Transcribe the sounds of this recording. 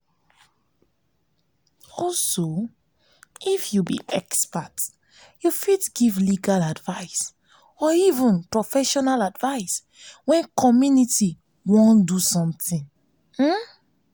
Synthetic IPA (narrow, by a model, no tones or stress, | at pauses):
ɔlso | ifjubḭʔɛkspat | jufidɡivliɡaladvaɪs | ɔivə̃npɹɔfɛʃɔnaladvaɪs | wɛ̃nkʰɔmjuniti | wɔ̃ndusɔ̃mt̪ĩŋ | m̩